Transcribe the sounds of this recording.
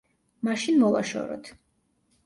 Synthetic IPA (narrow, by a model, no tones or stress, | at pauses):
maʃinmɔvaʃɔ̰ɾɔ̰t̪ʰ